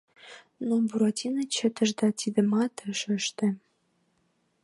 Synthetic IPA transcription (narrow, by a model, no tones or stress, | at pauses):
nobuɾɑt̪ʲinɤ̆t͡ɕə̆t̪ə̆ʒd̪ɑt̪id̪ə̆mɑt̪ə̆ʃə̆ʃt̪ĕ